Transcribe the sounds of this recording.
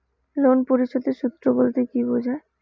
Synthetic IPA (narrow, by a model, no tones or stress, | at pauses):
lonpoɾiʃod̪eʃut̪ːɾobolt̪ekibod͡ʑʱae